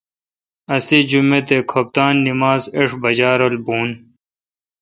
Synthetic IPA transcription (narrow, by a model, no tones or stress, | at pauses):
ɐsid͡ʑumet̪ekʰop̚t̪aːnːimaːzeʂbɐd͡ʑaːɾolbuːn